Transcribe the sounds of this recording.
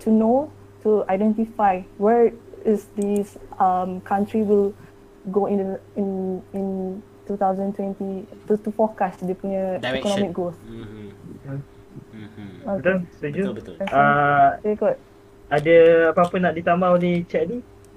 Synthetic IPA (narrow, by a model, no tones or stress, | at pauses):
tʰuno | tuajdɛ̃ntifajwɛɹɪsdisamkʰãntɹiwil | ɡoĩĩnĩn | tut̪awzə̃nntwɛ̃ntit̪ut̪ufɔkasdepuɲəɛkɔnɔmik̚ɡos | t̪olsod͡ʒuaekɔt̚ | adəapapʊnaʔdit̪ambaolet͡ʃɛʔnĩ